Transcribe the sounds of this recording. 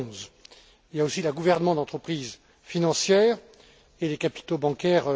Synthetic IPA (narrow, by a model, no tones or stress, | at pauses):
z | iljaosileɡuvɛʁnəmɑ̃d̪ɑ̃t̪χəpχiz | finɑ̃sjɛːʁ | elekapi̥t̪obɑ̃kʲɛːʁ